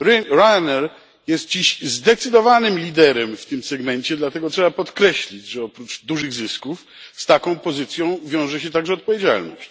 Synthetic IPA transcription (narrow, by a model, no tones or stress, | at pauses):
ɾɾajnɛɾ | jɛst̪̚d͡ʑiɕzd̪ɛt̪sɘd̪ɔvanɘmlʲid̪ɛɾɛmft̪ɘmsɛɡmɛɲt͡ɕɛd̪lat̪ɛɡɔtʂɛbapɔt̪kɾɛɕlʲid͡ʑʐɛɔpɾud͡ʐd̪uʐɘɣzɘskuf | st̪akɔ̃w̃pɔzɨt̪sʲjɔ̃w̃vʲjɔ̃w̃ʐɛɕ̬ɛt̪aɡʐɛɔt̪̚pɔvʲjed͡ʑa̰lnɔ̰ɕt͡ɕ